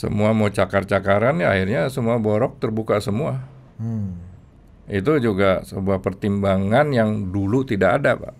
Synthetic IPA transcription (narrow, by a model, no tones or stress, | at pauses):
sə̰muamat͡ʃakart͡ʃakaɾana̰hirɲasəmuabɔɾɔk̚t̪ərbukasəmua | it̪̬ud͡ʒuɡasəbuahpərt̪imbaŋanjaŋdulut̪idaka̰dapa̰ʔ